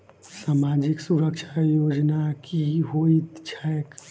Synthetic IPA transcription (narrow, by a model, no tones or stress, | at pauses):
saːmad͡ʒiksuɾəkt͡ʃʰajod͡ʒnakiɦoit̪t͡ʃʰaɛk